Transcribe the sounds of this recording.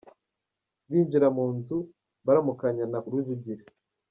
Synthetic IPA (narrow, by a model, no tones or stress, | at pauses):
βiːɲd͡ʒiɾamuːnzu | βaɾamukaɲanaʔuɾwuvuɟiɾe